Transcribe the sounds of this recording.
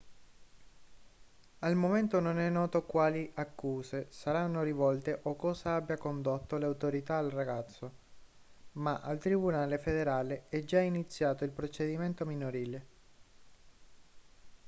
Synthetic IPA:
almoment̪ononɛnːɔːt̪okwaːliʔakːuːzesaɾanːoɾivɔlt̪eʔokːɔːzaabːjakond̪ot̪ːoleawt̪oɾit̪aːlraɡat̪sːo | maʔalt̪ɾibunaːlefed̪eɾaːleɛd͡ʒainit̪sːjaːt̪oilpɾot͡ʃed̪iment̪ominoɾiːle

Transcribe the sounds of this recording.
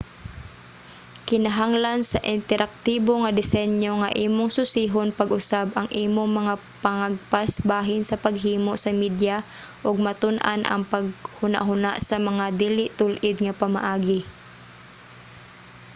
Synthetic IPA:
kɪnɐɦaŋlansɐʔɪnt̪ɛɾʔak̚t̪iːboŋɐd̪ɪsɛnjoŋɐʔiːmoŋsʊsiɦonpɐɡʔʊsabʔɐŋʔiːmoŋmɐŋa | pɐŋaɡ̚pasbaːɦɪnsɐpɐɡ̚ɦiːmoʔsɐmid̪ja | ʔoɡ̚mɐt̪ʊnʔa̰nʔɐ̰ŋpɐɡ̚hʊna̰ʔɦʊnaʔsɐmɐŋad̪iːlɪʔt̪ʊlʔɪd̪ŋɐpɐma̰ʔaːɡɪ

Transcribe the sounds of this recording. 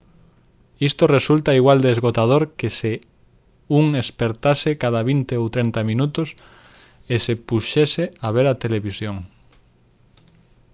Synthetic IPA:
ist̪oresult̪aiɣwald̪eezɣot̪að̞oɾkese | uŋespeɾt̪asekaðaβint̪eowt̪ɾent̪amĩnut̪ʊs | esepuʃeseaβ̞eɾat̪eleβisjoŋ

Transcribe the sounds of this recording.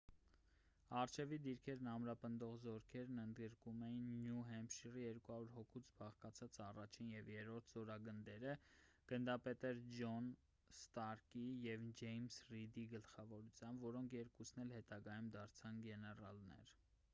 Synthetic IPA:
ɑrt͡ʃʰɛvid̪iɾkʰɛɾnɑmɾɑpənd̪ɔʁzɔɾkʰɛɾnənd̪ɡəɾkumɛjinːjuɦɛmpʃirijɛɾkuhɑɾuɾɦɔkʰut͡sʰbɑχkɑt͡sʰɑt͡sɑrɑt͡ʃʰinjɛvjɛɾɔɾt̪ʰzɔɾɑɡənd̪ɛɾəɡ̥ənd̪ɑpɛt̪ɛɾd͡ʒɔn | st̪ɑɾkijɛvd͡ʒɛjmsrid̪iɡəlχɑvɔɾut͡sʰjɑmbvɔɾɔŋkʰjɛɾkusnɛlhɛt̪ɑɡɑjumd̪ɑɾt͡sʰɑnɡɛnɛrɑ̰lnɛ̰ɾ

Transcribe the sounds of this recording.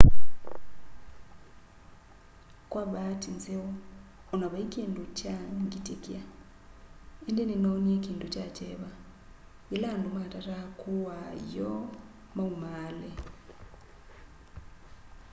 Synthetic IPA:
kwaβatinzewo | unaβaikiːnducaŋɡitekia | endeninonjekiːntucat͡ʃeβa | ilandumatatakuwajo | maumaːle

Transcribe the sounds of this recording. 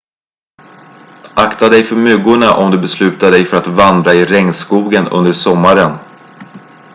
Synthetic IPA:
ʔakt̪ad̪ɛjfœɾmʏɡʊɳaʔɔmd̪ɵbɛslʉ̟ːt̪ad̪ɛjfœɾat̪vand̪ɾaɪɾɛŋːskuːɡənɵ̰nd̪əʂɔmːaɾən

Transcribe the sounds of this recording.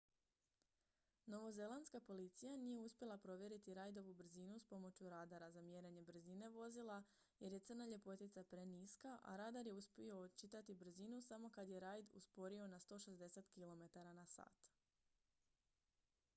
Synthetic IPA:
no̞ʋo̞ze̞lˠanskapo̞lit̪sijanije̞uspje̞lˠapɾo̞ʋje̞ɾit̪iɾajd̪o̞ʋubr̩zinuspo̞mo̞t͡ɕuɾaːd̪aɾazamje̞ɾeɲe̞br̩zine̞ʋo̞zilˠa | je̞ɾje̞t̪ɨr̩naʎe̞po̞t̪it̪sapɾe̞niskaʔa̰ɾaːd̪aɾje̞uspʲio̞t͡ʃit̪at̪ibr̩zinusamo̞kad̪je̞ɾajd̪ṵspo̞ɾio̞nast̪o̞ːʃe̞zd̪e̞se̞t̪kilo̞me̞t̪aɾanasa̰ːt̪

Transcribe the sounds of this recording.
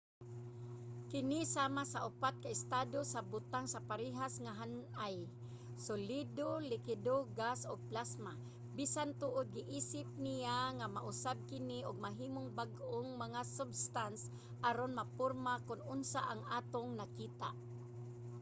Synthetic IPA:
kɪnɪsaːmasaʔʊpat̪̚kaɪst̪aːd̪osabʊt̪aŋsapaɾiɦasŋaɦanʔaj | sʊlid̪olɪkɪd̪oɡasoɡ̚plasma | bisant̪ʊʔʊd̪̚ɡɪʔiːsɪp̚nijaŋamaʔʊsab̚kɪnɪʔʊɡ̚maɦiːmʊŋbaɡʔoŋmaŋasʊbst̪ans | ʔaɾonmapʊɾmakʊnʔʊnsaʔaŋaːt̪oŋnakiːt̪aʔ

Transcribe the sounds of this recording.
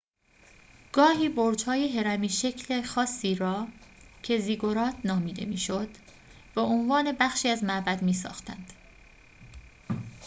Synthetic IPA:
ɡ̥ɒːhiːboɾd͡ʒhɒːje̞ɦe̞ɾæmiːʃecʰlexɒːsːiːɾɒːcʰe̞ziːɡoɾɒːt̪ʰnɒːmiːd̪e̞̰mḭːʃod̪̥ | b̥eonvɒːne̞bæxʃiːæzmæʔbæd̪miːsɒ̰ːxt̪æ̰nd̪̥

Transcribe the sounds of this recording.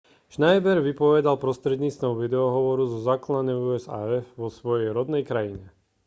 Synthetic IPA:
ʃnajbɛɾʋipɔʋɛd̪alpɾɔst̪ɾɛd̪ɲiːt͡st̪ʋɔʊʋid̪ɛɔɦɔʋɔɾuzɔzaːklad̪ɛuɛza̰ɛfʋɔsʋɔjɛjɾɔd̪nɛjkɾajiɲɛ

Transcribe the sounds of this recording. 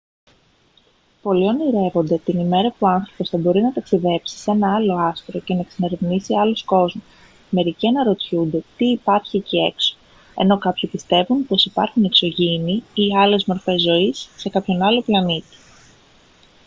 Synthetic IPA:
po̞lio̞niɾe̞vo̞nd̪e̞t̪inime̞ɾɐpuɐnθɾo̞po̞sθɐbo̞ɾinɐt̪ɐksiðe̞psi̥se̞nɐɐlo̞ɐst̪ɾo̞ce̞nɐeksine̞ɾevnisiɐlosko̞zmus | me̞ɾiciɐnɐɾo̞t̪çund̪e̞t̪iːpɐɾçiecie̞kso̥ | e̞̰no̞kɐpçipist̪e̞vunpo̞sipɐ̰ɾxune̞kso̞ʝiniiɐle̞zmoɾfe̞zːo̞isːe̞kɐpço̞nɐlo̞plɐnit̪i̥

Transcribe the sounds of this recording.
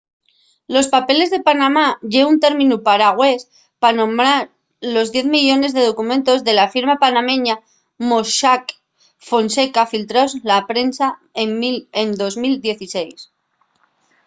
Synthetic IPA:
lo̞spape̞le̞zðe̞panamaʝe̞unt̪e̞ɾmĩnupaɾaɣwe̞s | panõ̞mbɾaɾ | lo̞zðje̞θmiʝo̞ne̞zðe̞ðo̞kumẽ̞nt̪o̞zðe̞lafiɾmapanamẽ̞ɲa | moʃak | fo̞nse̞kafilt̪ɾaozlapɾe̞nsaeend̪o̞zmild̪je̞θise̞js

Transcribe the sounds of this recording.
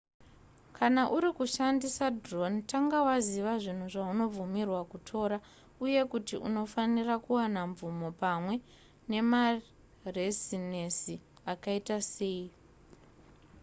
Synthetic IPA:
kʰanaʔuɾikuʃandisadro̞nitaŋɡawaziʋaʐin̤uʐauno̞b͡vumirwakutʰo̞ːɾa | uje̞kutiʔṵno̞fanirakuwanaɱvumo̞pamwe̞ | ne̞ma | resinesi | akaitase̞ːi

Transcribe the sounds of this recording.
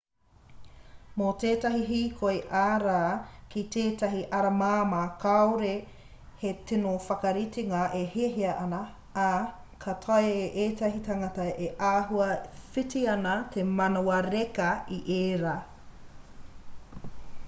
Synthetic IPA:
moteːtɐɦiɦiːkʰoeʔaːɾaːkiteːtɐɦiʔɐɾɐmaːmakʰawɾe | hetenofɐkɐɾitiŋɐʔeheɦiɐʔɐnɐ | a | kʰɐtʰajeʔeːtɐɦitaŋɐtɐeʔaːɦuɐfitiɐnɐtʰemɐnowɐɾekɐiʔeːɾa

